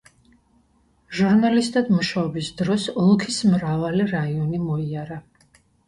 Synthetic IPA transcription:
ʒuɾnalist̪ʼad̪muʃaɔbisd̪ɾɔsɔlˠkʰismɾavaliɾaiɔnimɔiaɾa

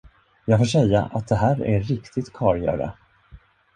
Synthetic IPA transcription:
jɑːɡfoːʂɛjːa̰ʔat̪̚d̪ɛɦæːɾæːɪkt̪ʰɪɡ̚t̪kʰɑːɾjœ̰ːɾa̰

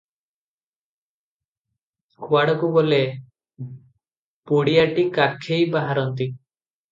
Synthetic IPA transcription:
kuaɽɔkuɡole | puɽiaʈikakʰejbaɦaɾɔnt̪i

